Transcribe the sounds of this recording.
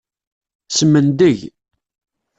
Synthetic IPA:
səmənd̪əʝ

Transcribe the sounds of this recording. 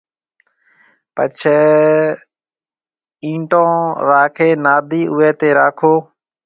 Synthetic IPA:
pət͡ʃʰ | ĩːʈõːɾaːkʰeːnaːd̪ʱiːʔʊːeːt̪eːɾaːkʰoː

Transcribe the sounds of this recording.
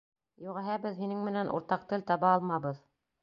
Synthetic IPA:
juʁæɦæbɘðɦinɘŋmɘ̆nænʔṵɾt̪ɑq̚t̪ɘ̆lt̪ɑβɑːlˠmɑβɤð

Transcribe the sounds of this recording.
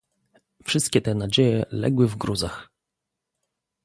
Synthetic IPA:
fʂɘst̪̚kʲɛt̪ɛnad͡ʑejɛlɛ̰ɡwɘvɡɾuzax

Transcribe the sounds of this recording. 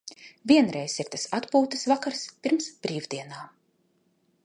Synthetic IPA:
vʲiɛnɾɛjsiɾt̪asat̪puːt̪ɨsvakaɾspiɾmsb̥ɾiːvd̪iɛnaː

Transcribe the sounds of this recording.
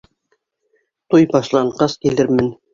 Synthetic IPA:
t̪ujbɒʃlˠɑɴqɑskilɘɾmɘn

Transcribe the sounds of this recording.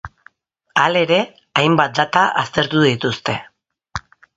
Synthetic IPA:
ale̞ɾe̞ | ajmbat̪̚d̪at̪aa̰st̪e̞ɾt̪uðit̪ust̪e̞

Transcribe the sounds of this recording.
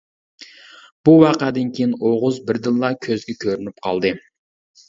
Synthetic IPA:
b̥uwɑqɑd̪ɪnkʲʰejinoʁʊzbɪɾd̪ɨlˠːɑkʲʰøzɡʲɛkʲʰøɾynyp̚qʰɑ̰lˠd̪ɨ

